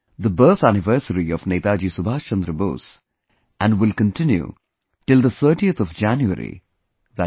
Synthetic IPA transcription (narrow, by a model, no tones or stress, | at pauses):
d̪əbəːt̪ʰænɪʋəːsəɾiɔʋneɪt̪aːd͡ʒiːsubʱaːst͡ʃə̃nd̪ɾəbo̰ːs | ʔæ̃nɖwɪlkə̃nʈɪ̃njṵ | ʈɪld̪ət̪ʰəːʈiət̪ʰɔʋd͡ʒæ̃njuə̰ɾḭ | ðæ